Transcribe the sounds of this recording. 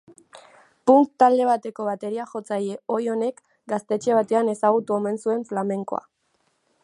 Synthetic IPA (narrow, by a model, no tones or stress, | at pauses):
puŋkt̪ːald̪e̞β̞at̪e̞ko̞βat̪e̞ɾiaxo̞t͡saje̞o̞jo̞ne̞k | ɡast̪e̞t͡ʃe̞β̞at̪e̞ane̞saɣ̞ut̪uo̞me̞nsue̞ɱflame̞ŋko̞̰a̰